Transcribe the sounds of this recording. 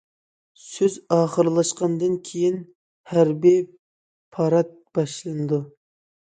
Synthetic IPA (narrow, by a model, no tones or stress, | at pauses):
søzɑːχəɾlˠɑʃqɑnd̪ɨnkʲʰejin | hæɾbi | pʰɑɾɑt̪̚b̥ɑʃlˠɨnɨd̪u